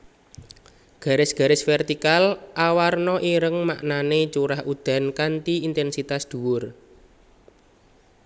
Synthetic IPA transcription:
ɡ̥a̤ɾɪsɡ̥a̤ɾɪsfɛrt̪ikalʔawarnɔʔiɾəŋma̰ʔnanet͡ʃuɾahud̪̥a̤nkant̪iint̪ɛnsit̪asd̪̥ṳwʊr

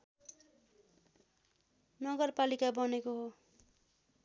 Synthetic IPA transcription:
nʌɡʌrpalikabʌnekoɦo

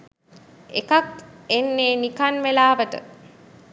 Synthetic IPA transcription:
ekakenːeːnikanʋelaːʋəʈə̰

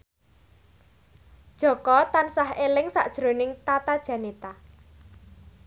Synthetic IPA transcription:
d̥ʒ̥ɔ̤kɔt̪ansahelɪŋsa̰ʔd̥ʒ̥ɾonɪŋt̪at̪ad̥ʒ̥a̤net̪a

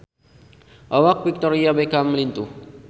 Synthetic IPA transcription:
ʔawak̚bik̚t̪ɔɾiabekamːəlint̪uh

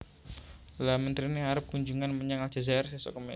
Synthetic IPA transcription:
lamənt̪ɾiniɦaɾʊp̚kuɲd͡ʒuŋanməɲaŋal̥d͡ʒ̥azaɛrsesɔ̰kəmḛ

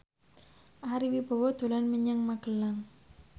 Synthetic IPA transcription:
ʔaɾiwibɔ̤wɔd̪̥o̤lanməɲaŋmaɡ̥əlaŋ

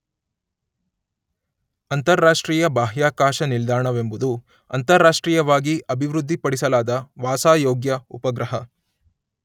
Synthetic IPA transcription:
ɐnt̪ɐɾːaːʂʈɾiːjɐbaːɦjaːkaːʃɐnild̪aːɳɐʋe̞mbud̪u | ɐ̰nt̪ɐɾːaːʂʈɾiːjɐʋaːɡiʔɐbʱiʋɾud̪ʱːipɐɽisɐlaːd̪ɐʋaːsaːjoːɡjɐupɐɡɾɐɦɐ

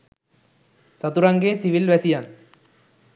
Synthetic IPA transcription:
sɐt̪uɾaŋɡeːsiʋilʋɛsijaːn

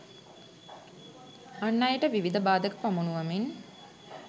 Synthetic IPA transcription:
anːajəʈəʋiʋid̪əbaːd̪əkəpamunuʋamin

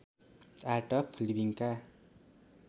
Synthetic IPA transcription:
aʈʌpʰlibiŋka

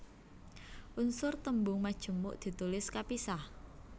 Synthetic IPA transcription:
ʔunsʊrt̪əmbʊŋmad̥ʒ̥ə̤mʊʔd̪̥i̤t̪ulɪskapisah

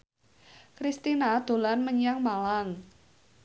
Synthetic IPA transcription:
kɾist̪inad̪̥o̤lanməɲaŋmalaŋ

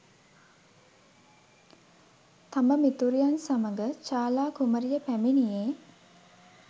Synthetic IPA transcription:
t̪aməmit̪uɾijansaməɡət͡ʃaːlaːkuməɾijəpæminijeː

